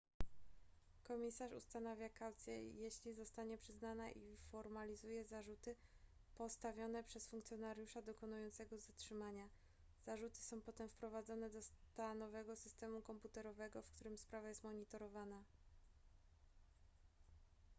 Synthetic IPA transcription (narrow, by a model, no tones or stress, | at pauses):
kɔmʲisaʂṵst̪anavʲjakawt̪sʲjɛ̰jeɕlʲizɔst̪aɲɛpʂɘznanaʔifɔɾmalʲizujɛzaʐut̪ɘ | pɔst̪avʲjɔnɛpʂɛsfuŋkt̪sʲjɔnaɾʲjuʂad̪ɔkɔnujɔnt̪sɛɡɔzatʂɘmaɲa | z̥aʐut̪ɘ̥sɔ̃w̃pɔt̪ɛmfpɾɔvad̪zɔnɛd̪ɔst̪anɔvɛɡɔsɘst̪ɛmukɔmput̪ɛɾɔvɛɡɔfkt̪uɾɘmspɾavajɛst̪mɔɲit̪ɔɾɔvana